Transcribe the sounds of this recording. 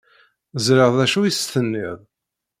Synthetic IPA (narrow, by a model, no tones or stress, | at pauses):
zɾəʁðæʃujist̪ənːɪðˤ